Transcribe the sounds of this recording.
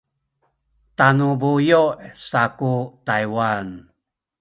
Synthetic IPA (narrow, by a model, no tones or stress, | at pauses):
tanubujoʔsakutajwan